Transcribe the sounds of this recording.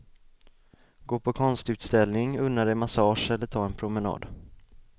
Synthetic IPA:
ɡoːpʰɔkʰɔnst̪ʉ̟ːt̪st̪ɛlnɪŋɵnːaɾɛmasɑːʂɛlːəʈʰɑːɛnpʰɾʊmɛnɑ̰ːd̪

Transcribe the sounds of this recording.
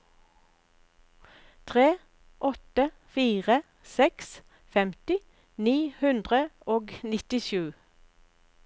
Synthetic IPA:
t̪ʰʁeː | ʔɔt̪ə | fiːʁə | sɛks | fɛmt̪ɪ | niːhʉnd̪ʁəoːɡnɪt̪ɪʃʉː

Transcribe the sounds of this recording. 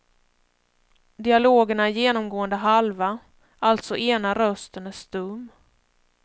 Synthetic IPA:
d̪ɪaloːɡəɳajeːnɔmɡoːənd̪əɦalva | alt̪sɔʔeːnaɾœst̪ənæʂt̪ɵmː

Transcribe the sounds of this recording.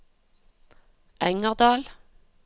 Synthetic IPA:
ʔæŋəʁd̪ɑːl

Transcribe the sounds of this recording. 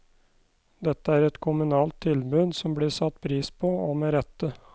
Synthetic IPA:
d̪ɛt̪ːəæːɾɛt̪kʰʊmʉnɑːlt̪ʰːɪlbʉːd̪sɔmbliːsɑt̪ːpʰɾiːspʰoːomeːɾɛt̪ːə

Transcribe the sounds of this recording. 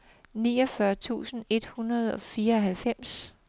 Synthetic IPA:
niːɒ̽fɶɐt͡sʰṵːsn̩e̝d̥hunɐð̞ˠɒ̽fiːɐɒ̽ɦælfem̰s

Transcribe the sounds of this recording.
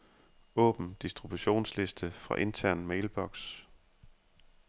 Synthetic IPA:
ɔ̰̽ːb̥n̩d̥isd̥ʁib̥uɕo̝̰ːnsle̝sd̥əfʁɑ̈ʔe̝nt͡sʰæɐ̰nmeɪlb̥ɒ̽ɡ̥s

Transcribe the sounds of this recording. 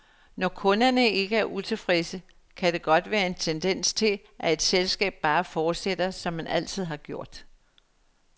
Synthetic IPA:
nɒkʰɔ̽nɐnəe̝ɡ̥əæɐʔut͡sʰe̝fʁesə | kʰæd̥e̝ɡ̥ɒ̽d̥ʋæːɐe̝nt͡sʰend̥en̰st͡sʰe̝l | ʔæe̝d̥selsɡ̥ɛ̰ːb̥̚ːɑ̈ːfɒːd̥sed̥ɐsɒ̽mːænʔæl̰t͡sʰið̞̰ˠhɑ̈ɡ̥jo̝ɐ̰d̥

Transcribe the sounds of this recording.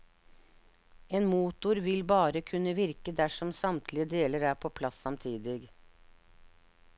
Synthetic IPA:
eːnmuːt̪ʊɾʋɪlbɑːɾəkʰʉnəʋɪɾkəd̪æʂɔmsɑmt̪ʰlɪəd̪eːləɾæːɾpʰoːpʰlɑsɑmt̪ʰiːd̪ɪɡ

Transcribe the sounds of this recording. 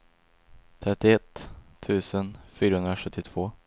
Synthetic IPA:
t̪ʰɾɛt̪ːɪɛt̪ʰːʉ̟ːsənfyːɾahɵnɾaɧɵt̪ʰːɪt̪ʰv̥oː

